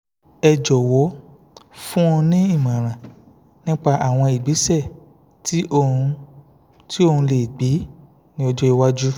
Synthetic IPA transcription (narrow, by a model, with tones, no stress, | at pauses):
ɛ˧d͡ʒɔ˨wɔ˨˦ | fũ˦õ˧nĩ˦i˦˨mã˨ɾ̃ã˨ | nĩ˦k͡pa˧ʔa˨w̃ɔ̃˧i˨ɡ͡bi˨˦sɛ˦˨ | tʰi˦ʔo˧ũ˧ | tʰi˦o˧hũ˧le˨ɡ͡bi˨˦ | nĩ˦ɔ˧d͡ʒɔ˦i˧wa˦d͡ʒu˦